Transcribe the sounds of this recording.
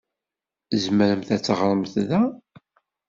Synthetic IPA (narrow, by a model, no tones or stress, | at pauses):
zməɾəmθæt͡sːʁɾˤəmθðæ